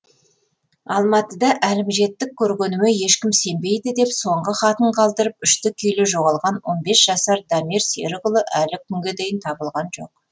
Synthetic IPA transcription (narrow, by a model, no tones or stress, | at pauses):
ɑlˠmɑt̪əd̪ɑʔælɪmʒe̞t̪ːɪk̚ʲʰːɵɾɡʲe̞nɪmeje̞ʃkʲɪmse̞mbe̞jd̪ɪd̪e̞pso̞ɴʁəχɑt̪əɴqʰɑlˠd̪əɾəpʏʃt̪ɪkʲʰʏjleʒo̞ʁɑlˠʁɑnwo̞nbe̞sʒ̥ɑsɑɾd̪ɑmiɾsḛɾɪʁʊlˠəʔælɪkʲʰʏŋɡʲe̞d̪e̞jɪnt̪ʰɑbəlˠʁɑnʒo̞̰q